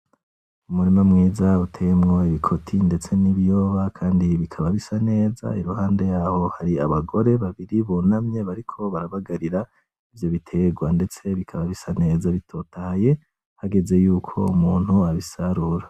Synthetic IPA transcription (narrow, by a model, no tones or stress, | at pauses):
umuɾimamŋiːzautʰe̞mŋo̞iβikʰo̞tʰinde̞t͡se̞niβjo̞ːβakʰaːndiβikʰaβaβisane̞ːza̰iɾuhaːnde̞jaho̞haɾiaβaɡo̞ɾe̞βaβiɾiβunamɲe̞βaɾikʰo̞βaɾaβaɡaɾiɾa | ivjo̞βitʰe̞ɡwande̞t͡se̞βikʰaβaβisane̞ːzaβitʰo̞tahaje̞ | haɡe̞ze̞juːkʰo̞̰umuːnhuaβisaɾuɾa